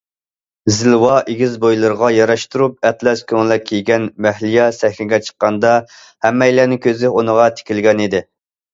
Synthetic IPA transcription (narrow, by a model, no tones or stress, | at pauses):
zɪlwɑʔeɡʲizbojlˠɨɾəʁɑjɑɾɑʃt̪uɾup̚ɛt̪ʰlɛskʲʰøŋlɛkʲʰːejɡʲɛnmæhlijɛsɛhlʲɪɡʲɛt͡ʃʰə̥qːɑnd̪ɑ | hɛmːɛjlæːnɪkʲʰøzɪunəʁɑt̪ʰe̥kʲilɡʲɛnid̪ɪ